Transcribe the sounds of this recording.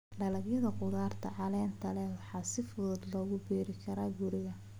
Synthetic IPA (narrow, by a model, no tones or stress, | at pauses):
ɖɐlɐɡjɐðɐqʊðaːrt̪ʰɐ̰ʕɑlɛːnt̪ʰɐlɛwɑħɑːsɪfʊðʊd̪lɔːɣʊbiːɾɪkʰɐɾaːɡʊɾɪɣɐ